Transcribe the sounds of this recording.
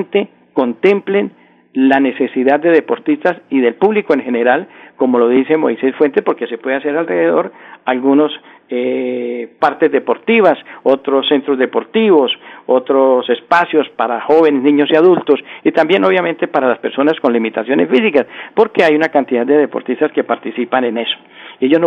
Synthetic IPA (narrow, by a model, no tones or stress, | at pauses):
nt̪e̞ | ko̞nt̪e̞mple̞n | lane̞se̞siðaðd̪e̞ðe̞po̞ɾt̪ist̪asiðe̞lpuβlikoe̞ŋxe̞ne̞ɾalko̞mo̞lo̞ðise̞mo̞̰jse̞sfwe̞nt̪espo̞ɾke̞se̞pwe̞ðeas̬e̞ɾalreðeðo̞ɾalɡunos | e | paɾt̪ezd̪e̞po̞ɾt̪iβasot̪ɾosːe̞nt̪ɾozd̪e̞po̞ɾt̪iβo̞sot̪ɾose̞spasjo̞spaɾaxo̞βe̞neznĩɲo̞siaðult̪o̞sit̪ambje̞no̞βjamẽ̞nt̪e̞paɾalaspe̞ɾso̞nasko̞nlimit̪asjo̞ne̞sfisikaspo̞ɾke̞ajunakant̪iðad̪d̪e̞ðe̞po̞ɾt̪ist̪aske̞paɾt̪isipane̞ne̞so̥ie̞ʝozn